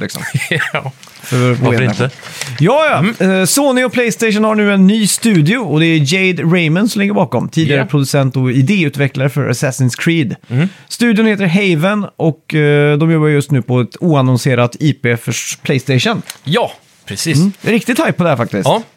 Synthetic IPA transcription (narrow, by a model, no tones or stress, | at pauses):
lɪ̰ksɔ̰m | fœɾveːɪjɑːjɑsoːnɪɔpʰlɛjst̪ɛɪʂ̬ənhaɳʉ̟ːɛnːyːst̪ʉ̟ːd̪ɪʊɔd̪ɛæd͡ʒɛɪd̪ɾɛɪmənsɔmlɪɡːəɾbɑːkɔmt̪ʰiːd̪ɪaɾəpʰɾʊd̪ɵsɛnt̪ɔɪd̪eːʉ̟ːt̪vɛklaɾəfœɾʔa̰sɛsɪŋskʰɾiːd̪st̪ʉ̟ːd̪jʊnheːt̪əɾɦɛɪvənʔɔkd̪ɔmjɔbːaɾjɵst̪nʉːpʰɔɛt̪uːanɔnseːɾat̪iːpeːfœʂpʰlɛɪst̪eɪʂənjɑː | pʰɾɛsiːɾɪk̚t̪ɪd̪t̪ʰːajpːɔd̪ɛæfak̚t̪ɪs